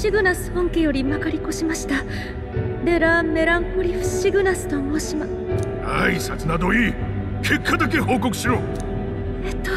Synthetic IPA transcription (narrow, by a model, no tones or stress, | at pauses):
ɕiɡɯ̟nasɨ̥hõŋkejo̞ɾʲimakaɾʲiko̞ɕimaɕi̥t̪a | d̪e̞ɾamme̞ɾãŋkoɾʲiɸɯ̟̥ɕiɡɯ̟nasɨ̥t̪o̞mo̞ːɕima | aisat͡sɨnad̪o̞iː | kʰe̞kʰːad̪ak̬e̞ho̞ːko̞kɯ̟̥ɕiɾoː | et̪ːo̥